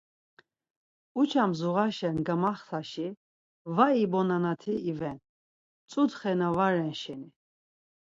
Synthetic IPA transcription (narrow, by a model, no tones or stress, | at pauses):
ut͡ʃʰamzuʁaʃɛnɡamaχsaʃi | vaibɔnanat̪ʰiːvɛn | t͡sʼud̪χɛnavaɾɛnʃɛni